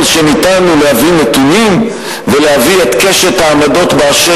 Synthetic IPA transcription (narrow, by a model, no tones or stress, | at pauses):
lʃenit̪anulehavinet̪unim | velehaviet̪keʃet̪haːmad̪o̞t̪baaʃe